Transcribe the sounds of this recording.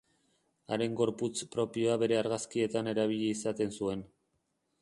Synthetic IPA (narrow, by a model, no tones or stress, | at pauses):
aɾe̞ŋɡo̞ɾput͡spɾo̞pio̞aβe̞ɾe̞aɾɣaskie̞t̪ane̞ɾaβ̞iʎeisat̪e̞nsue̞n